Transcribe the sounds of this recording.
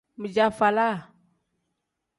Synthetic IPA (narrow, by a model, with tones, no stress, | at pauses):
mə˨d͡ʒa˦fa˨la˦˨